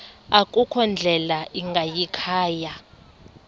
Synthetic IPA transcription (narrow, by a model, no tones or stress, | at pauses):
akʼukʰɔnd͡ɮʱɛlaʔiŋɡʱajikʰaːja